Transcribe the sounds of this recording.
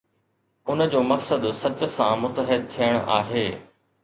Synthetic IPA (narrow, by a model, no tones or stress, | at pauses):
ʊnəd͡ʑoːmɐksəd̪sɐt͡ɕsã̰mʊt̪əɦɪd̪̚t̪ʰijəɽ̃ʔa̰ːɦeː